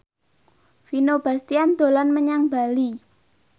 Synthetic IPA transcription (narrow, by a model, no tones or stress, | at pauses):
finob̥a̤st̪iand̪̥o̤lanməɲaŋba̤li